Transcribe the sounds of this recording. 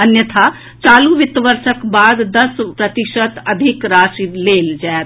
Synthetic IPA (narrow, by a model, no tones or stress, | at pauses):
ɐnjət̪ʰa | t͡ʃaːluʋɪt̪ʋəɾʃəkbaːd̪ːɐspɾɐt̪ɪʃət̪ɐd̪ʱɪkɾaːʃileːld͡ʒɛːt̪